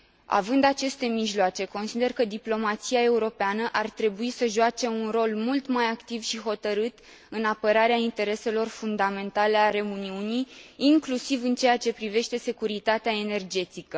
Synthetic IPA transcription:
a̰vɨnd̪at͡ʃe̞st̪e̞miʒloat͡ʃe̞ko̞nsid̪e̞rkəd̪iplo̞mat̪siae̞uɾo̞peanəʔart̪ɾe̞buisəʒoat͡ʃe̞unro̞lmult̪majakt̪ivʃiɦo̞t̪əɾɨt̪ | ɨnapəɾaɾeaint̪e̞ɾe̞se̞lo̞rfund̪ame̞nt̪ale̞aɾe̞uniunijːŋklusivɨnt͡ʃe̞jat͡ʃe̞pɾive̞ʃt̪e̞se̞kuɾit̪at̪eae̞ne̞rd͡ʒe̞t̪ikə

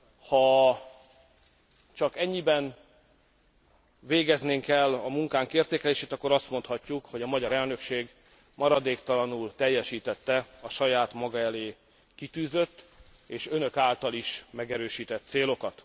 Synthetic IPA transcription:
hɒ | t͡ʃɒkɛɲːibɛn | veːɡɛzneːŋkɛlːɒmuŋkaːŋkeːrt̪eːkɛleːʃeːt̪ɒkːo̞ɾɒst̪mo̞nt̪hɒcːukho̞ɟɒmɒɟɒɾɛlnø̞kʃeːɡ | mɒɾɒd̪eːkt̪ɒlɒnult̪ɛjːɛʃiːt̪ɛt̪ːɛɒʃɒjaːt̪mɒɡɒɛleː | kit̪yːzøt̪ː | eːʃønø̞kaːlt̪ɒliʃmɛɡɛɾøːʃiːt̪ɛt̪ːseːlo̞kɒt̪

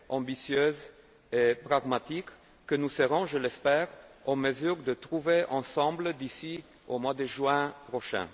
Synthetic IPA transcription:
ɑ̃bisjøz | epʁaɡmat̪ikː | ənusəʁɔ̃ʒəlɛspɛːʁɑ̃məzyʁd̪ət̪ʁuveʔɑ̃sɑ̃bləd̪isi | omwad̪əʒɥɛ̃pʁoʃɛ̰̃

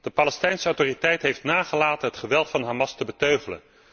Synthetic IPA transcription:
d̥əpaːlɛstɛjnsəɑwtoːritɛjtɦejftnaːχəlaːtənɦətχəʋɛlˠtfɑnɦaːmɑstəbətøɥχələ̰n

